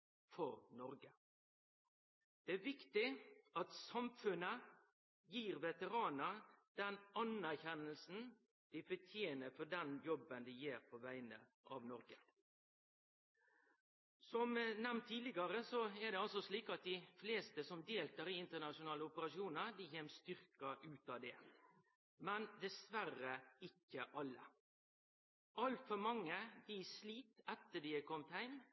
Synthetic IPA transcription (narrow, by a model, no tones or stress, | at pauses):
fɔɾnɔɾɡə | d̪̥ɛæɾʋɪkt̪ɪɑt̪sɑmfʉnə | jiːɾʋɛt̪əɾɑːnəd̪̥ɛnɑnæɾçɛnːəlsn̩ | d̪̥ɪfɔt̪ʰjeːnəfɔɖɛnjɔbənd̪ɪjeːɾpʰɔʋæɪnə̰ | ʔɑ̰ʋnɔɾɡə | sɔmnɛmnt̪ʰːiːlɪɡɑɾəsɔæd̪ɛɑlsɔsliːkɑt̪̚d̪ɪfleːst̪əsɔmd̪eːlt̪əɾɪɪnt̪ənɑʂʊnɑːləʊpəɾɑʃuːnəɾd̪ɪçeːmst̪ʏɾkɑʔʉːt̪ɑʋd̪ɛː | mɛnd̪ɛsʋærəɪkːəʔɑlːə̰ | ɑlt̪fɔɾmɑŋːəd̪ɪsliːt̪ɛt̪ːəd̪ɪækʰɔmt̪hæɪm